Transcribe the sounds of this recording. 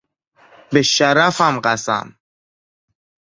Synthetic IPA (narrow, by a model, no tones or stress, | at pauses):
beʃæɾæfæmɢæsæ̰m